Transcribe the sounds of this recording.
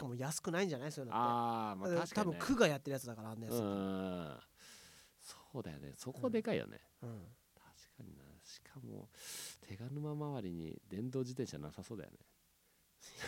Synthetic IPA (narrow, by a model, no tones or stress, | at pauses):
i̥kamo̞jasɨ̥kɯ̟naĩɲ̟d͡ʑanaisojnaemaḁt̪abɯ̟ŋkʰɯ̟ɡajat̪ːe̞ɾ̟jat͡sɨd̪akaɾaãnːajas | so̥ːd̪ajo̰nḛso̞kod̪e̞kaḭjo̰nḛ | ɯ̟̃ː | t̪ʰḁɕi̥kʰaɲḭnaɕi̥kʰamo̰t̪ʰe̞ɡanɯ̟mamaβaɾʲiɲ̟ḭd̪ẽ̞nd̪o̞ːd͡ʑit̪ẽ̞ɰ̃ɕanasaso̞ːd̪a̰jo̰ne